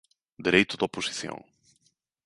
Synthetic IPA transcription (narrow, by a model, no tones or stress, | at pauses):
d̪eɾejt̪ʊðoposi̥θjõ̰ŋ